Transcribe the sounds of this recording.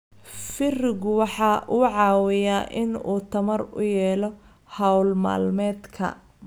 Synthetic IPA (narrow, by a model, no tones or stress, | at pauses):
fɪrɪɣʊwɑħɑːʔuːʕɑːwɪjaːʔɪnuːt̪ʰɐmɐrʊ̰jɛːlɔ | hɐwlma̰ːlmɛːd̪kʰɐ̰